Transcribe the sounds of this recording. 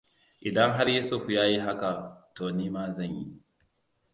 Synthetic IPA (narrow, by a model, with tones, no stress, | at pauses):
ʔɪ˨dɐ˦ŋɦa˦ɾjiː˦sʊ˦ɸjaː˦ji˦ɦa˦ka˨toː˨niː˦maː˦zɐ˦˨ɲjḭ˦